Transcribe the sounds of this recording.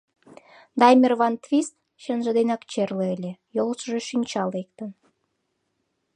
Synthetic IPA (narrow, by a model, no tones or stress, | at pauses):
d̪ɑjmʲirvɑnt̪vʲist̪ | ʃənʒə̆d̪enɑkt͡ɕerleelʲejolˠʃəʒeʃynʲt͡ɕɑlˠek̚t̪ən